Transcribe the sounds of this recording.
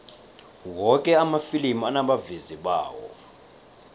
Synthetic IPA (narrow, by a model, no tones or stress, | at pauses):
wɔkʼɛamafilimianaɓaviziɓa̰ːwɔ̰